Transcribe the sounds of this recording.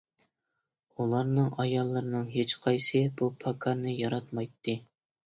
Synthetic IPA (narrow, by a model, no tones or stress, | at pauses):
ulˠɑɾnɨŋɑjɑlˠːɨɾɨnɨŋɦet͡ʃqʰɑjsɨbupʰɑkʰɑɾnɨjɑɾɑt̪mɑjt̪ʰːɨ